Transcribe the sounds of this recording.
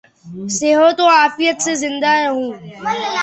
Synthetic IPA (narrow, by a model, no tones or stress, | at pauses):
seɦot̪õaːfɪjət̪sezɪ̃nd̪aɾɐɦũː